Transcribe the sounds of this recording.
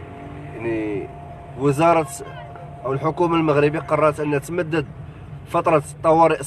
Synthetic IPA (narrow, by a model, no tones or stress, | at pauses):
ʕni | wəzɑɾˤɑt̪ | ʔəwəlħʊkumalməɣɾəbiqɑrˤːɑɾˤt̪ʔənːæt̪məd̪ːəd̪̚ | fɑt̪ˤɾˤɑt̪ˤːɑwɑɾiʔ